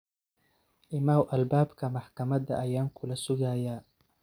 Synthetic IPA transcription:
ʔɪmaːwʔɐlbaːbkʰɐmɐħkʰɐmɐd̪ɐ̰ʔɐjaːŋkʰʊlɐsʊɣajaː

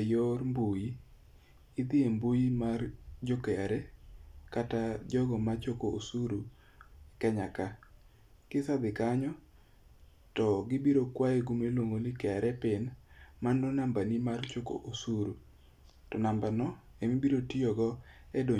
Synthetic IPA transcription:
jormbuji | ɪd̪ɪembujimard͡ʒɔkɛaɾɛkatad͡ʒɔɡɔmat͡ʃokoosuɾu | kɛɲaka | kɪsad̪ɪkaɲɔ | tɔɡɪbiɾokwaeɡumelwoŋɡonɪkɛaɾɛpɪnmandonambanimart͡ʃoko̰ʔosuɾu | tɔnambanɔ | emibiɾotiɔɡɔɛdo

